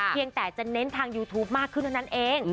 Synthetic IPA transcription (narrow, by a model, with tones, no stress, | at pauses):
i˧əŋt̪ɛː˨˩t͡ɕa˨˩ne˦˥nt̪ʰaː˧ŋjuː˧t̪ʰuː˦˥p̚maː˥˩kʰːɯ˥˩nʰa˥˩˧na˦˥nʔeː˧ŋ